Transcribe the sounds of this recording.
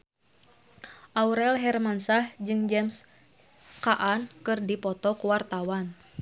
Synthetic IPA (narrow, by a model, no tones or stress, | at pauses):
ʔauɾɛlɦɛrmansahd͡ʒɨŋd͡ʒɛms | kaʔankɨrdipɔt̪ɔkuwart̪awan